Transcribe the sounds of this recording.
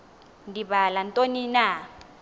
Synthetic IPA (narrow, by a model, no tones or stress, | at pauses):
ndibalantʼonina